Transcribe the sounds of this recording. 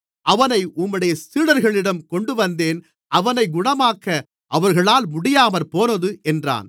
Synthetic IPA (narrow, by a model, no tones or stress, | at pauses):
ʔɐʋɐnɐɪʔʊmːɯɽɐjɐsiːɽɐɾɣɐɭɪɽɐmkɔɳɖɯʋɐnd̪eːn | ʔɐʋɐnɐɪɡʊɳɐmaːkɐ | ʔɐʋɐɾɣɐɭaːlmʊɽɪjaːmɐɾpoːnɐðɯʔɛndra̰ːn